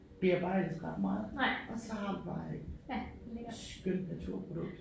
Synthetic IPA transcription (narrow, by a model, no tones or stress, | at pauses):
b̥iɐɐb̥ɑ̈ɪːedðˠʁɑd̥mɑ̈ːð̩ˠʔɒ̽sɒhɑ̈dib̥ɑ̈ːjae̝ɡ̥ | sɡ̥øn̰d̥næt͡sʰuɐ̰pʰʁod̥ɔ̽ɡ̥̚d̥